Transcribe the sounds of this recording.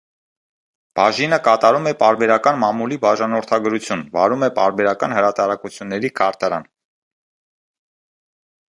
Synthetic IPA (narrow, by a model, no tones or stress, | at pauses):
b̥ɑʒinəkɑt̪ɑɾumɛpɑɾbɛɾɑkɑnmɑmulibɑʒɑnɔɾt̪ʰɑɡəɾut͡sʰjunvɑ̰ɾumɛpɑɾbɛɾɑkɑnhəɾɑt̪ɑɾɑkut͡sʰjunːɛɾikʰɑɾt̪ɑɾɑ̰n